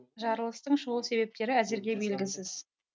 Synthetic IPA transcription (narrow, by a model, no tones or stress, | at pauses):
ʒɑɾəlˠəst̪əɴʃʊulˠse̞be̞p̚t̪e̞ɾɪæzeɾɡʲe̞be̞lɡʲɪsɪz̥